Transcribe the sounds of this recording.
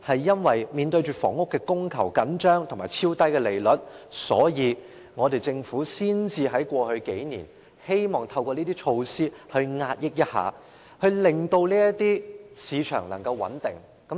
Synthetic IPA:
hɐ˨jːɐ˥nwɐ˨jmiː˨˧nt̪ɵ˧ɥt͡ʃyː˨fɔː˨˩ŋʊ˥kːɛː˧kʊ˥ŋkʰɐ˨˩wkɐ˨˥nt͡ʃœː˥ŋt̪ʰʊ˨˩ŋmaː˨˩jt͡sʰiː˥wt̪ɐ˥jkɛː˧le˨˩jlɵ˨˥t̚sɔ̰ː˨˥jiː˨˧ | ŋɔː˨˧t̪e˨jt͡sɪ˧ŋfuː˨˥siː˥nt͡siː˧ɦɐ˨˥jkʷɔː˧hɵ˧ɥke˨˥jnḭː˨˩n | he˥jmɔː˨˩ŋt̪ʰɐ˧wkʷɔː˧niː˥t̪iː˥t͡ʃʰo˧wsiː˥hɵ˧ɥŋaː˧t̚jɪ˥k̚jɐ˥t̚ha̰ː˨ | hɵ˧ɥlɪ˨ŋt̪o˧wliː˥jɐ˥t̪iː˥siː˨˧t͡ʃʰœ̰ː˨˩ŋlɐ̰˨˩ŋkɐ˧wwɐ̰˨˥nt̪ɪ˨ŋ | kɐ˨˥

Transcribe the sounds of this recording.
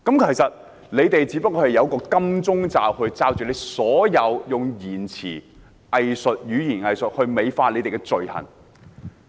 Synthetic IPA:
kɐ˨˥mkʰe˨˩jsɐ˨t̚ | le˨˧jt̪e˨jt͡siː˨˥pɐ˥kːɔː˧ɐ˨˩jɐ˨˧wkɔː˧kɐ˥mt͡sʊ˥ŋt͡saː˨whɵ˧ɥt͡saː˧wt͡ʃyː˨le˨˧jsɔː˨˥jɐ˨˧wjʊ˨ŋjiː˨˩nt͡sʰḭː˨˩ | ɐ˨jsɵ˨t̚jyː˨˧jiː˨˩nɐ˨jsɵ˨t̚hɵ˧ɥme˨˧jfaː˧le˨˧jt̪e˨jkɛ˧t͡sɵ˨ɥhɐ̰˨˩n

